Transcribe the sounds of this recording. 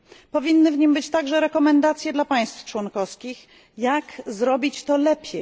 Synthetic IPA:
pɔvʲinːɘvɲimbɘt͡ɕt̪aɡʐɛɾɛkɔmɛnd̪at̪sʲjɛd̪lapaj̃st̪ft͡ʂwɔnkɔskʲix | jakzɾɔbʲit͡ɕt̪ɔlɛpʲjɛ

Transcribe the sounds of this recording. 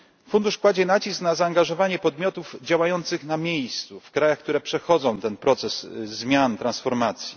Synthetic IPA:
fund̪uʂkwad͡ʑɛnat͡ɕisknazaːŋɡaʐɔvaɲɛpɔd̪mʲjɔt̪uvd͡ʑawajɔnt̪sɘxnamʲjejst̪sufkɾajaxk̚t̪uɾɛpʂɛxɔd̪zɔ̃w̃t̪ɛnpɾɔt̪sɛszmʲjant̪ɾansfɔɾmat̪sʲji

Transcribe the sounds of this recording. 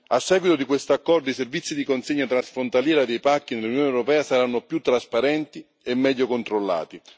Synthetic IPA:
asːɛːɡwit̪od̪ikwest̪oakːɔrd̪oiservit̪sːid̪ikonseɲːat̪ɾasfɾont̪aljɛːɾad̪ejpakːinelːunjoːnɛwɾopɛːasaɾanːopjut̪ːɾaspaɾɛnt̪i | emːɛʎːokont̪ɾolːa̰ːt̪i

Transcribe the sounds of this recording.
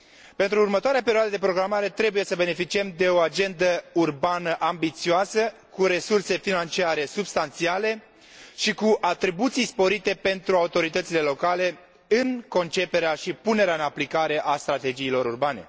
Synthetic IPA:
pe̞nt̪ɾuːrmət̪oaɾeapeɾioad̪əd̪epɾo̞ɡɾamaɾe̞t̪ɾe̞buje̞səbe̞ne̞fit͡ʃiemd̪e̞o̞ad͡ʒe̞nd̪əurbanəʔambit̪sioasə | kuɾe̞surse̞finant͡ʃiaɾe̞subst̪ant̪siale̞ | ʃikuʔat̪ɾibut̪sijspo̞ɾit̪e̞pe̞nt̪ɾuaut̪o̞ɾit̪ət̪sile̞lo̞kale̞ | ɨŋko̞nt͡ʃe̞pe̞ɾeaʃipune̞ɾeaɨnaplikaɾe̞ʔast̪ɾat̪e̞d͡ʒijːlo̞ɾurbane̞̰

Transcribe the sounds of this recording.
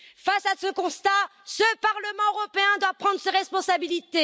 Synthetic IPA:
fasasəkɔ̃st̪asəpaʁləmɑ̃øʁɔpeɛ̃d̪wapχɑ̃d̪ʁəseʁɛspɔ̃sabilit̪e

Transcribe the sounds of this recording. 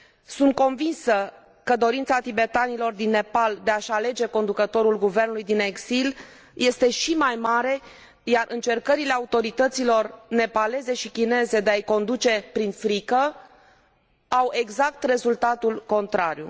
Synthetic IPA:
sunt̪̚ko̞nvinsə | kəd̪o̞ɾint̪sat̪ibe̞t̪anilo̞rd̪inːe̞pald̪e̞aʃale̞d͡ʒe̞ko̞nd̪ukət̪o̞ɾulɡuve̞rnulujd̪ine̞ɡzil | je̞st̪e̞ʃimajmaɾe̞ | jarʔɨnt͡ʃe̞rkəɾile̞aut̪o̞ɾit̪ət̪silo̞rne̞pale̞ze̞ʃikʲine̞ze̞d̪eajko̞nd̪ut͡ʃe̞pɾinfɾikə | awe̞ɡzak̚t̪re̞zult̪at̪ulko̞nt̪ɾaɾjṵ

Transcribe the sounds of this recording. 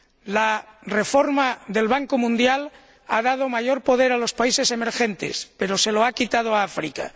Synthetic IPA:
lare̞foɾmaðe̞lβaŋkomũnd̪jal | aðað̞omaʝo̞ɾpo̞ð̞eɾalo̞spaise̞se̞me̞ɾxẽnt̪ḛspe̞ɾo̞se̞loakit̪að̞oaafɾika̰

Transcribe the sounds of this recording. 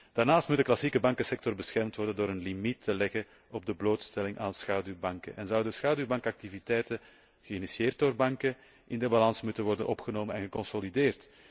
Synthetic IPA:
d̥aːrnaːstmut̚dəklɑsiːkəbɑŋkəsɛk̚tɔrbəsxɛrmtʋɔrdəndoːɾənlimitʰːəlɛɣə | ɔb̚dəbloːtstɛlɪŋʔaːnsxaːdybɑŋkə̰nʔɛnzʌwdəsxaːdybɑŋkɑk̚tivitɛjtə | ɣəinisieːrt̚doːrbɑŋkə | ʔɪndəbɑlɑnsmutənʋɔrdə̰nʔɔpxənoːmənɛ̰nɣəkɔnsolideːrt

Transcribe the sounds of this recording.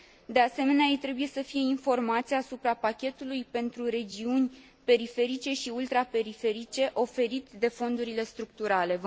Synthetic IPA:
d̪e̞ase̞me̞neajejt̪ɾe̞buje̞səfije̞info̞rmat̪sijaːsupɾapakʲe̞t̪ulujpe̞nt̪ɾuɾe̞d͡ʒiunʲ | pe̞ɾife̞ɾit͡ʃe̞ʃiult̪ɾape̞ɾife̞ɾit͡ʃe̞ʔo̞fe̞ɾit̪d̪e̞fo̞nd̪uɾile̞st̪ɾuk̚t̪uɾale̞

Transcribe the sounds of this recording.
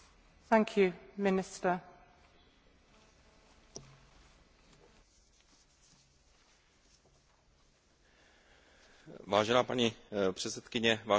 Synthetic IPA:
θãŋkʰjʉmɪnɪstə | vaːʒɛnaːpaɲipr̥ɛt͡sɛt̪kɪɲɛvaː

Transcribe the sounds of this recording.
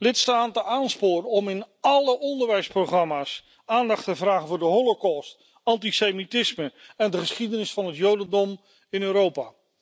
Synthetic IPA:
lɪtstaːtənʔaːnspʊːɾəɔmɪnɑləʔɔndəɹʋɛjsprowχrɑmaːs | aːndɑχtəvraːχəvʊːɹdəɦɔlokɔst | ɑntisemitɪsməɛndəχəsχidənɪsfɑnɦətjowdəndɔm | ɪnøːɾowpa̰ː

